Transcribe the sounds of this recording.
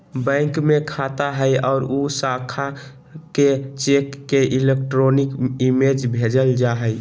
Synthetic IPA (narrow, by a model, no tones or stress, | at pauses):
bə̃ɪŋkmekʰat̪aɦəjɔʊɾusakʰa | ket͡ʃekːeʔilekʈɾonikimed͡ʒbʱed͡ʒəld͡ʒaɦəj